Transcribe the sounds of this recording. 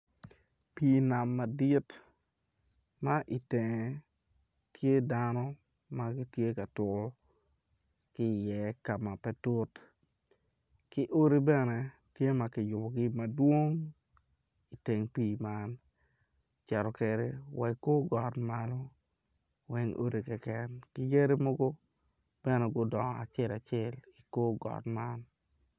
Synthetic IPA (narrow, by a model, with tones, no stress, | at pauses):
piː˨na˨mːa˨di˦t | ma˦ʔi˨te˨ŋe˨ | tʰje˦da˦nɔ˦ | ma˦ɡɪ˦tje˦ka˨tʊ˨kɔ˦ | kɪ˦˨jɛ˨˦ka˨ma˨pɛ˦tʊ˦t | kɪ˦ʔo˦ɾi˦bɛ˦nɛ˨tje˦ma˨kɪ˨jʊ˨bɔ˨ɡɪ˦ma˨dwo˦ŋ | i˨te˨ŋpiː˦˨ma˦n | t͡ʃɛ˨ɾɔ˨ke˨ɾe˦wa˨i˨ko˦ɡɔ˨tma˦lɔ˦ | wɛ˦ŋʔo̰˦ɾi˨kɛ˦kɛ˦nkɪ˦je˦ɾe˦mo˦ɡo˦ | b̥ɛ˦nɛ˦ɡʊ˦dɔ˨ŋ˨a̰˨t͡ʃɛ˦˨la˨t͡ʃɛ˦˨li˨ko˦ɡɔ̰˨tma˦n